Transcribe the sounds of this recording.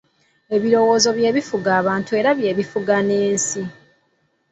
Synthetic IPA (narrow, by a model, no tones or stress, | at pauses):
e̞βiɾo̞wo̞ːzo̞βje̞ːβifuɡaːβaːntue̞ːɾaβjeːβifuɡane̞ːnsi